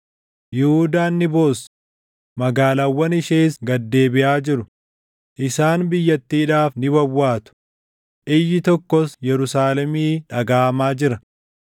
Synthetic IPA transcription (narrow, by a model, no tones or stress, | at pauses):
jɪhʊd̪aːnːɪboːs | mɐɡaːlɐwːɐnɪʃeːsɡɐd̪ːe̞ːbɪʔaːd͡ʒɪɾʊ | ʔɪsaːnbɪjːɐt̪ːiːᶑaːfnɪbɐwːaːt̪ʊ̥ | ʔɪjːɪt̪ɔkːɔsjɛɾʊsaːlɛmiːᶑɐɡaːɐmaːd͡ʒɪɾɐ